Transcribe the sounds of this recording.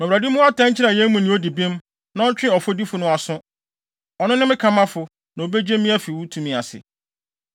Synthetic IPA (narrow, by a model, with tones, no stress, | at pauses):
mɛ˨a˨dɪ˦mʊ̃˦a˦tʰã˦ɲ̩˦t͡ɕʰɪ˦ɾã˨jɛ̃˦mũ˨nɪ̃˦o˦di˨bĩ˦m | nã˦ɔ˦t͡ɕᶣɪ̃˦˨ɔ˨fo˦di˦fʊ˨nʊ̃˦a˨sʊ̃˦ | ɔ˨nʊ̃˦nɪ̃˦mɪ̃˦kʰã˨mã˦fʊ˨ | nã˨o˨be˦d͡ʑe˦mĩ˦æ˦fi˨wu˦tʰũ˨mĩ˨a˨sɪ̰˨